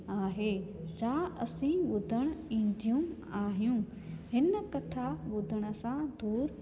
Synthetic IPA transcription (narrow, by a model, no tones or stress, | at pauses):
aːɦeːd͡ʑaːɐsĩʋʊd̪ʱəɽ̃ĩːn̆d̪ʱijũ | aːɦijũ | hɪnəkɐt̪ʰaʋʊd̪ʱəɽ̃ʊ̆sãd̪ʱuːɾ